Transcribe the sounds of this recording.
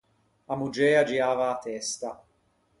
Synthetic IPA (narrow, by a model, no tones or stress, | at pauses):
amud͡ʒɛːad͡ʒiaːvaːt̪ːɛst̪a